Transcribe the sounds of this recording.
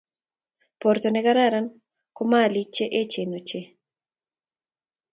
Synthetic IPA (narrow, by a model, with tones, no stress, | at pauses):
pɔ˨ɾtɔnɛ˦ka˦ɾa˦ɾan | ko˦ma˦li˦k̚t͡ʃe˦ʔe˦t͡ʃe˨no˨t͡ʃe˦